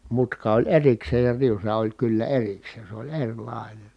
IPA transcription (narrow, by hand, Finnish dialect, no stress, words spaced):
mutkɑ olʲ erikseːj jɑ riusɑ olʲ kylːæ erikseːn̞ se olʲ erʲlɑˑi̯nen̞